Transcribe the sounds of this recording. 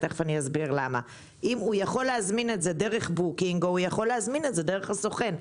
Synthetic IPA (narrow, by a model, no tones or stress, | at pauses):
teχvaniazbiʁlama̰ | ʔimujaχo̞lːeazmine̞tze̞de̞ʁeχbukiŋɡoujaχo̞lːeazminetze̞deʁeχaso̞χe̞n